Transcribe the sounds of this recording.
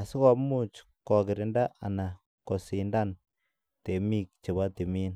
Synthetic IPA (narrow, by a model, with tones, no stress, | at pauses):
a˨si˦kɔ˨pmu˦t͡ʃ | kɔ˨kɪ˨ɾɪ˨nda˦ʔa˨na˨ | ko˨si˨nda˦n | te˨mi˦k̚t͡ʃe˨ba˦te˨mi˦n